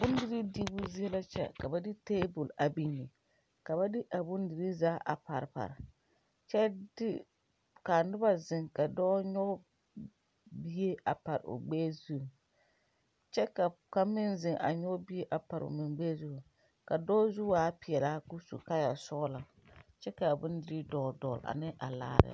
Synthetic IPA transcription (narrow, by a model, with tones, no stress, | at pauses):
bʊ˦n˦dɪ˦ɾi˦di˦bʊ˦zi˦ɛ˦la˦t͡ʃɛ̰˦ka˨ba˦dɪ˦teː˦bʊ˨la˨bi˦ɲi˨ | ka˨ba˦dɪ˦ʔa˨bʊ˦n˦di˨ɾi˦zaː˦ʔa̰˨pa̰˨ɾpa̰˨ɾɪ˨ | t͡ʃɛ˦dɪ˦ | ka˨nɪ˦ba˦zɪ˨ŋka˨dɔː˦ɲɔ˦ | bi˦e˦ʔa˨pa˨ɾ̰ʊ̰˨ɡ͡beː˦zu˦˨ | t͡ʃɛ˦ka˨ | ka˦mɪ˦nzɪ˨ŋʔa̰˨ɲɔ˦bi˦e˦ʔa˨pa˨ɾʊ̰˨mɪ˨ŋɡ͡bɛː˦zu˦˨ | ka˨dɔː˦zu˦aː˨˦pɪ˨ɛ˨laː˦ku˦sṵ˨ka˦ja˨sɔ˦la˨ | t͡ʃɛ˦ka˨bʊ˦ndɪ˨ɾi˦dɔ˨ldɔ˨la̰˨nɪ˦ʔa˨la̰ː˦ɾɪ̰˨